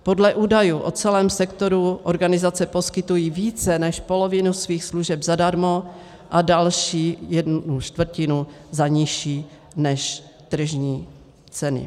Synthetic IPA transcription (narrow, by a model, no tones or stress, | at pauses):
po̞dlɛʔuːdajuːʔo̞t͡sɛlɛːmsɛkt̪o̞ɾuʔoɾɡanɪzat͡sɛpo̞skɪt̪ujiːviːt͡sɛnɛʃpo̞lovɪnusviːxsluʒɛbzadaɾmo | ʔadalʃiːjɛdnut͡ʃt̪vr̩cɪnu | zaɲɪʃiː | nɛʃ | t̪r̩ʒɲiː | t͡sɛnɪ̰